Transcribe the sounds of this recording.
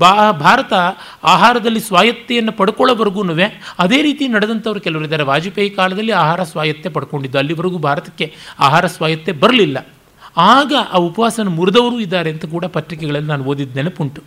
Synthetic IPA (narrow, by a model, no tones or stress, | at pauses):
babʱaːɾɐt̪ɐ | aːɦaːɾɐd̪ɐlːisʋaːjɐt̪ːɛjɐnːɐpɐɽukɔɭːɐʋɐɾɐɡuːnuʋeɐd̪e̞ːɾiːt̪ijnɐɽed̪ɐnt̪ɐʋɐɾukɛlɐʋɐɾid̪ːaːɾeʋaːd͡ʒipejɐkaːlɐd̪ɐlːiaːɦaːɾɐsʋaːjɐt̪ːepɐɽuko̞ɳɖid̪ːuɐlːiʋɐɾɐɡuːbʱaːɾɐt̪ɐ̥kːe̞a̰ːɦaːɾɐsʋaːjɐt̪ːebɐɾɐlilːɐ | aːɡɐʔaːupɐʋaːsɐɐnumuɾud̪ɐʋɐɾuːid̪ːaːɾeːnt̪ɐk̬uːɽɐpɐt̪ɾikɛɡɐɭɐlːinaːnuo̞ːd̪id̪ːeːnepuɳʈu